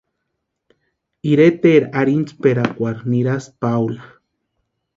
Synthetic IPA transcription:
iɾet̪eɾaɾint͡speɾakʷaɾniɾaspawla

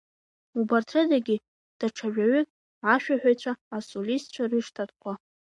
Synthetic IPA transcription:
ubartʰrɨdaɡʲɪ | d̥aʈ͡ʂʰaʒᶣaɥʏ | aʃᶣaħᶣajt͡ɕʷʰaːsolist͡ɕʷʰarɨʂtʰatʼqʷʰa

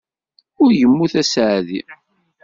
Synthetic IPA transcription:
ʊɾjəmːuθæsʕði

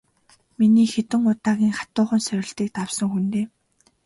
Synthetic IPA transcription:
miniːxet̪ɘ̆ŋʊt̪aːɣʲiːŋχḁt̪ʊːχə̆nsœɾʲɪ̆ɬt̪iːk̚t̪awsə̆ŋxunt̪eː

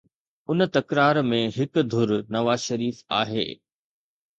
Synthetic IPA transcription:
ʊn̆t̪ɐkɾaːɾmẽɦɪk̆d̪ʱʊɾnɐʋaːzʃɐɾiːfa̰ːɦḛː

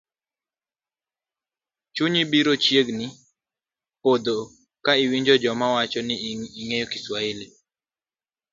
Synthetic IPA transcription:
t͡ʃuɲibiɾot͡ʃjeɡnɪ | pod̪o | kaiwiɲd͡ʒɔd͡ʒɔmawat͡ʃɔnɪiŋejokɪswaɪle

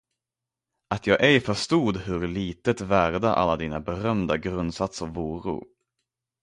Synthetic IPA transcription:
at̪ʰjɑːɡʔɛjfœʂt̪uːd̪ɦɵɾliːt̪ət̪væɾd̪aʔa̰lːad̪iːnabɛɾœmd̪aɡɾɵnd̪sat̪sɔvuːɾṵ

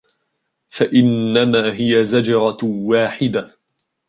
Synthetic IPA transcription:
faʔɪnːamaːɦɪjazad͡ʒɑɾˤɑwaːħɪd̪a

